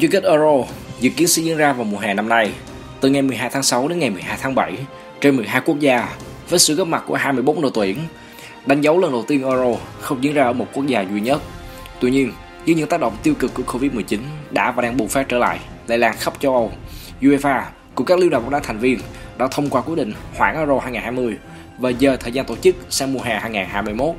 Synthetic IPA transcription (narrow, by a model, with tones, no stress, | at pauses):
t͡ɕi˧ki˦˥k̟ʔəː˧zo˧zḭ˨˩kːi˨˦ənsɨ̰˧˥zi˧˨ənzaː˧vaː˨˩wmu˨˩əɦaː˨˩na˧mna˧j | t̪ɨ˨˩ŋa˨˩jmɨ˨˩jɦaː˧jt̪ʰaː˨˦sa˨˦wɗe˨˦nŋa˨˩jmɨ˨˩əjɦaː˧jt̪ʰaː˨˦ŋɓa˧˩j | t͡ɕe˧nmɨ˨˩əjɦaː˧jku˦˥ək̚zaː˧ | vəː˨˦jsɨ̰˧˨əː˦˥p̚ma˨˩t̚ku˧˩əɦaː˧jmɨ˧əjɓo˨˦ŋ͡m̚nɨ̰˧˩t̪wi˧˩ən | ɗa˨˦jŋ̟zə˨˦wlə˧˩ŋɗə˨˩wt̪i˧ənʔəː˧zo˧xə˧wŋ͡mzḭ˧˥ənzaː˧ʔəː˧˩mo˨˩t̚ku˦˥ək̚zaː˧zwi˧ɲə˦˥t̚ | t̪wi˧ɲi˧ən | zɨ̰˧˨˦ɲɨ˧˥t̪aː˦˥k̚ɗə̰˧˨wŋ͡mt̪i˧wkɨ˨˩kːu˧˩əko˧vi˦˥t̚mɨ˨˩ət͡ɕi˨˦nɗa̰ː˧˥vaː˨˩ɗaː˧ŋɓu˨˩faː˦˥t̚t͡ɕəː˧˩la̰ː˧˨j | lḛ˧laː˧nxə˦˥p̚t͡ɕə˧wʔə˧w | zu˧ʔe˧faː˧ | kʊ˧˩ŋ͡mkaː˦˥k̚i˧˦wɗaː˧˩˨ɗaː˧˥˦t̪ʰŋ̟vi˧ənɗa̰ː˧˥t̪ʰə˧wŋ͡mkwaː˧kwi˦˥ɗḭ̈˧˨ŋ̟hwaː˧˩nʔəː˧zo˧haː˧jŋaː˨˩haː˧jmɨ˧əj | vaː˨˩zəː˨˩t̪ʰəː˨˩jzaː˧nt̪o˧˩t͡ɕɨ˦˥k̚saː˧ŋmu˧ɦaː˨˩haː˧jŋaː˨˩nhaː˧jmɨ˧əjmo˦˥t̚